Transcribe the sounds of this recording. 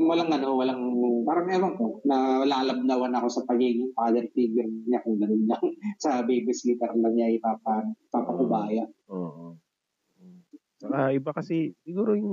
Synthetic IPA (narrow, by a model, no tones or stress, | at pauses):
wɐlaŋɡɐnohowɐlaŋpaːɾɐmɛːmaŋponɐlaʔlɐb̚d̪awɐnɐko̞sɐpɐɡiːɡɪŋpaːd̪ɛɾt̪iːɡɪɾɲakʊŋɡɐnɪnlɐŋsɐbɛjbɪslit̪ɛɾlɐŋɲaɐjpaːpɐpapɐkʊbaːjɐoʔo | sɐlahaʔɪbakɐsɛsɪɡuːɾojʊŋ